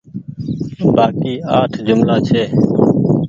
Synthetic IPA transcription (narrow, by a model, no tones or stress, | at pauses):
baːkiːaːʈʰd͡ʒʊmlaːt͡ʃʰeː